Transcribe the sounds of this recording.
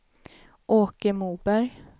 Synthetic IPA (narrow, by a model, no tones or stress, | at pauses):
ʔoːkəmuːbæɾj